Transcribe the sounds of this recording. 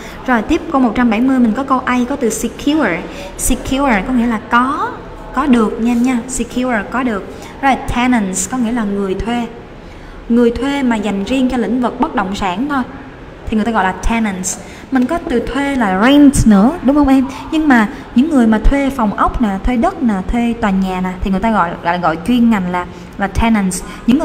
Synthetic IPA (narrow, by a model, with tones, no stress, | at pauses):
zo˨˩jt̪i˦˥əp̚ko˧mo˨˩t̚t͡ɕa˧mɓa˧˩jmɨ˧əjmï˨˩ŋ̟kɔ˨˦kə˧wʔa˧jkɔ˨˦t̪ɨ˨˩si˧kʰu˧ə˨˩ | si˧kʰju˧ə˨˩kɔ˨˦ŋḭ˧˥əlaː˨˩kɔ˨˦ | kɔ˨˦ɗɨ˨˩ək̚ɲɛ˧mɲaː˧si˧kʰju˧ə˨˩kɔ˨˦ɗɨ˨˩ək̚ | zɔ˧˩la˨˩t̪ʰɛ˧nə˨˩nskɔ˨˦ŋḭ˧˥əlaː˨˩ŋɨ˨˩əjt̪ʰwe˧ | ŋɨ˨˩əjt̪ʰwe˧maː˨˩za˨˩jŋ̟zi˧əŋt͡ɕɔ˧lḭ˧˥ŋ̟vɨ˨˩k̚ɓə˦˥t̚ɗə̰˧˨wŋ͡msaː˧˩nt̪ʰo˧j | t̪ʰi˨ɨ˨˩t̪aː˧ɣɔ̰˧˨laː˨˩tʰɛ˧nə˨˩ns | mï˨˩ŋ̟kɔ˨˦t̪ɨ˨˩t̪ʰwe˧laː˨˩zɛ˧ntnɨ̰˧˥əɗʊ˨˦ŋ͡mhə˧wŋ͡mʔɛ˧mɲɨ˧ŋmaː˨˩ɲɨ̰˧˥ŋːɨ˨˩əjmaː˨˩t̪ʰwe˧fa˨˩wŋ͡mʔə˦˥wk͡p̚naː˨˩t̪ʰwe˧ɗə˦˥t̚naː˨˩t̪ʰwe˧t̪waː˨˩nɲaː˨˩naː˨˩t̪ʰi˨˩ŋɨ˨˩jt̪aː˧ɣɔ̰˧˨jɔ̰˧˨˩ɣɔ̰˧˨jt͡ɕwi˧ənŋa˨˩jŋ̟laː˨˩ | laː˨˩t̪ʰɛ˧nə˨˩ns | ɲɨ̰˧˥ŋːɨ˨˩